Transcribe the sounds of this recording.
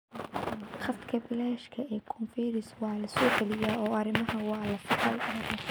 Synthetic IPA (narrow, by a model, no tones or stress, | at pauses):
χɐst̪kʰɐbɪlɛːʃkʰɐɛːkʰʊnfɛːɾɪswɑːlɐsɔːɡɛlɪjaːɔːɐɾɪmɐɦɐwɑːlɐfɪɾɐjɐ